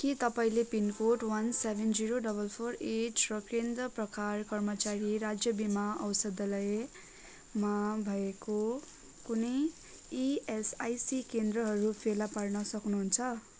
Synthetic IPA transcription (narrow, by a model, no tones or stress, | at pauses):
kit̪ʌpaĩlepinkoʈwʌnsebʱend͡ziɾoɖʌbʌlpʰoreʈʰrʌkend̪ʌprʌkarkʌrmʌt͡saɾiɾad͡zjʌbimaʌwsʌd̪ʌlʌe | mabʱʌeko | kunʌj | iesajsikend̪rʌɦʌɾupʰelaparnʌsʌknuɦunt͡sʰʌ